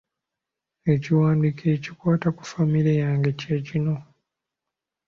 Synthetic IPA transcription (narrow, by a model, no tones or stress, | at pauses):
e̞ciwaːndikʰe̞ːcikwaːtaku̥famiɾejaːŋɡe̞ceːcino̞